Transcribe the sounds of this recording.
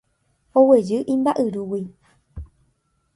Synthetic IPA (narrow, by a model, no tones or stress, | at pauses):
owe̞d͡ʒɨʔĩmbaʔɨɾuwi